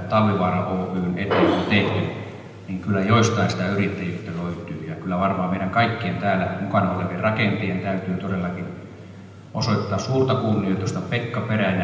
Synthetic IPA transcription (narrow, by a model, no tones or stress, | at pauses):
t̪ɑlːiʋɑːrɑʔoːpyːnet̪ːeŋkunt̪eht̪i | niŋkylːæjoist̪ɑinsi̥t̪æyrit̪ːæjyt̪ːæløit̪yːjɑkylːæʋɑrmɑːmeiɾæŋkɑikːient̪æːlæmukɑnoleʋierrɑkent̪eent̪æyt̪yːt̪odelːɑkin | osoit̪ːɑːsuːrt̪ɑkunːiot̪jost̪ɑpekːɑperænæ